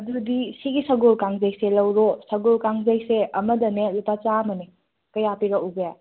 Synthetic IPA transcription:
ɐdudisiɡisɐɡolkaŋzəjselɐwɾosɐɡolkaŋzəjseʔɐmədɐnelupat͡ʃamɐne | kɐjapiɾauɡja

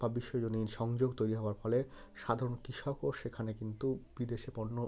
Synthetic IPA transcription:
babiʃːoed͡ʑoninʃɔŋd͡ʑoɡt̪ojɾiɦɔoaɾfɔle | ʃad̪ʱaɾonkɾiʃɔkoʃekʰanekint̪ubid̪eʃepɔnːo

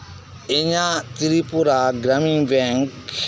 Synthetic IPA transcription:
eɲat̪iɾipuɾaɡɾamiŋbɛŋk

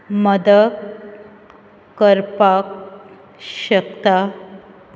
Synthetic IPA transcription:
məd̪ə | kːəɾpak | ɕəkt̪a

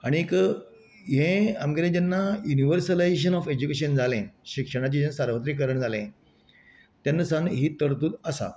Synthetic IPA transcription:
aɽ̃iek | ɦẽamɡəɾẽd͡ʑanːajuniʋəɾsəlajɕ̬ənɔfed͡ʑukeɕənd͡zʱalẽɕikʂəɽ̃at͡ɕid͡ʑẽnsaɾʋət̪ɾik̬əɾəɳd͡zʱalẽ | t̪janːəsãŋɦiːt̪əɾt̪uːt̪əsa̰

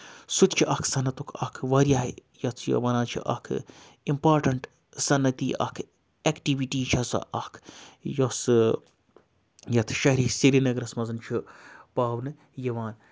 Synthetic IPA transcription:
sut̪t͡ʃʰiʔɐkʰsɐnɐt̪ukʰɐkʰʋɐɾʲjaːɦjɐt͡s̪ʰjo̰ʋɐnaːt͡ʃʰḭʔɐ̰kʰɨ̰ | impaːɾʈɐɳʈ | sɐnːɐt̪iːʔɐ̰kʰ | ekʈiʋiʈiːt͡ʃʰɐsɐ̰ʔɐkʰjos | jɐt̪ʰʃɐɦɾisiɾinɐɡɾɐsmɐzɐnt͡ʃʰupaːʋnɨ | jɐʋaːn

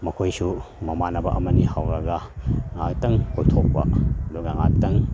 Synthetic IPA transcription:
mɐkʰojsumɐmanɐbɐ̰ʔɐmɐnihawɾɐɡɐŋaktɐŋkʰotʰok̚pɐ̰ɐduɡaŋa̰ktɐŋ

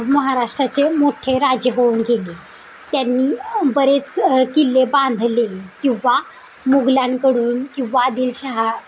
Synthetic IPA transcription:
məɦaɾaʂʈɾat͡semoʈʰeɾad͡ʑjəɦounɡʱele | t̪janːiːbəɾet͡skilːeband̪ʱlekĩw̃ʋa | moɡljankəɽuːnkĩw̃ʋaːd̪iːlɕaɦa

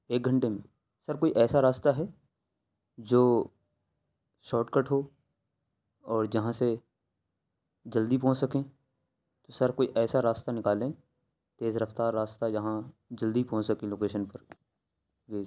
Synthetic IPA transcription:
eːk̚ɡʱɐə̃ɳʈemẽ | sɐɾkoːiʔɛːsaɾaːst̪aɦɛ | d͡ʒoː | ʃɔːʈkəʈɦoː | ɔːɾd͡ʒɐɦãse | d͡ʒɐld̪ipɔ̃ːt͡ʃsɐkẽ | t̪osɐɾkoːiʔɛːsaɾaːst̪anɪkaːlẽ | t̪eːzɾɐft̪aːɾːaːst̪ajɐɦãd͡ʒɐld̪ipɔ̃ːt͡ʃsɐkẽloːkeːʃənpɐɾ | ʋeː

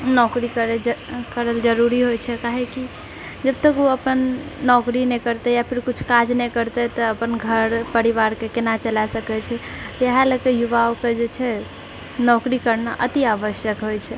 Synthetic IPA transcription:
nɔkɾikəɾekəɾəld͡ʒəɾuɾiɦojt͡ʃʰɛkaɦeki | d͡ʒəb̚t̪əkuəpənːɔkɾinɛkəɾt̪ɛjapʰiɾkut͡ʃʰkad͡ʒnɛkəɾt̪ɛt̪əəpənɡʱəɾpəɾiβaɾkekenat͡ʃəlasəkɛt͡ʃʰɛ | t̪ɔeɦaləkejuβaoked͡ʒet͡ʃʰɛ | nɔkɾikəɾnaʔət̪iabəʃjəkɦojt͡ʃʰɛ

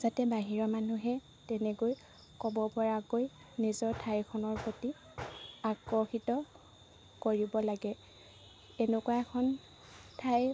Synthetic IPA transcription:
zatɛbaɦiɹɔmanuɦɛ | tɛnɛkoj | kɔbɔpɔɹakoj | nizɔɹtʰajkʰɔnɔɹpɹoti | akɹɔxitɔ | koɹibɔlaɡɛ | ɛnukuwaɛkʰɔn | tʰaj

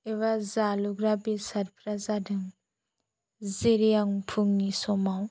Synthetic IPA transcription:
eβazaluɡɾabisaɾpʰɾazadɯŋ | zeɾijaŋpʰuŋnisɔmaw

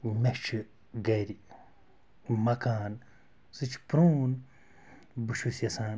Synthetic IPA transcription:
mʲet͡ʃʰi | ɡɐjɾi | mɐkaːn | sɨt͡ʃʰpɾoːn | buʃusjɐsaːn

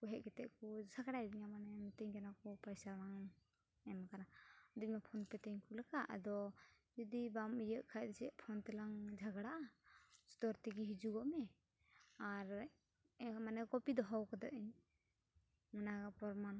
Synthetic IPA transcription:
kuɦɛʔ̚kɛt̪ɛʔkusakaɽaɾiɲamanɛmt̪ɛɲkɛnakɔpajsaɾaŋ | ɛmakanad̪uʔ̚mapʰɔnpɛt̪ɛɲkulakaʔd̪ɔ | d͡ʒɔd̪ibamijəʔkʰajd̪ɛsɛʔpʰɔnt̪ɛlaŋd͡ʒʱaɡɽaʔast̪ɔɾt̪iɡiɦid͡ʒuɡɔʔmɛ | aɾ | manɛkɔpid̪ɔɦɔwkɔd̪aʔiɲ | manaɡapɔɾman

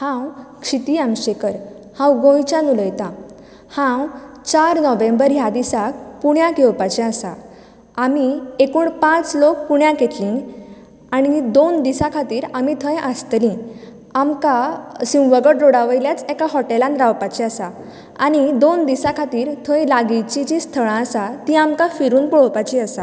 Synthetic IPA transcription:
hãwkʂit̪iːamɕekəɾ | hãwɡõjt͡ɕanuləjt̪ã | hãw | t͡ɕaɾnɔʋẽmbəɾjad̪isak̚puɳjãkewpat͡ɕɛ̃asa̰ː | miekuːɳpãt͡slok̚puɳjãket̪lĩŋɡ | aɽ̃id̪ond̪isakʰat̪iːɾamit̪ʰə̃jʔəst̪lĩ | amkasĩwʋəɡəʈɾoɽaʋəjljat͡sɛkaɦɔʈelanɾawpat͡ɕiasa | aɽ̃id̪ond̪isakʰat̪iːɾt̪ʰə̃jlaɡit͡ɕit͡ɕĩst̪ʰəɭ̃ãəsat̪ĩamkafiɾuːnpɔɭ̤ɔwpat͡ɕiasa

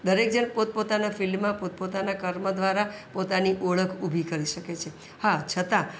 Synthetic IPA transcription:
d̪əɾek̚d͡ʒənpot̪̚pot̪anafilmːãpot̪̚pot̪anakəɾməd̪ʋaɾapot̪aniʔoɭəkʰubʱikəɾiʃəket͡ʃʰe | hat͡ʃʰət̪a

